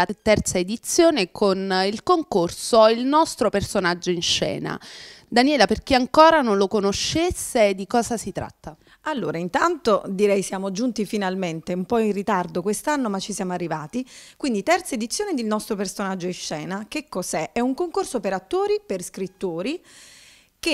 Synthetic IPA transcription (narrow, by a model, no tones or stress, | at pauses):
at̪ɛrt̪saed̪it̪sːjoːnekʰonilkoŋkorsoilnɔst̪ɾopersonad͡ʒːoinʃɛ̰ːna̰d̪anjɛːlaperk̟iaŋkoːɾanonlokonoʃːesːed̪ːikɔːzasit̪ɾa̰t̪ːa | alːo̰ːɾaint̪ant̪od̪iɾɛjsjaːmod͡ʒunt̪ifinalment̪eumpɔinrːit̪ard̪okwest̪anːomat͡ʃːisjaːmoarːivaːt̪ikwind̪it̪ɛrt̪saed̪it̪sːjoːned̪ilnɔst̪ɾopersonad͡ʒːoinʃɛːnakekːozɛʔɛuŋkoŋkorsopeɾat̪ːoːɾiperskɾit̪ːoːɾi | ke